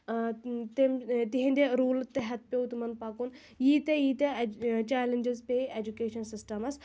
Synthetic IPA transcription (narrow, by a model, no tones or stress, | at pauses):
t̪emt̪iɦĩnd̪eɾuːlt̪ːeɦɐt̪̚ʰpʲeut̪mɐnpaːkun | jiːt̪ɐjiːt̪ɐt͡ʃaːlend͡ʒəzpeːeːd͡ʒukeːʃɐnsɪsʈɐmɐs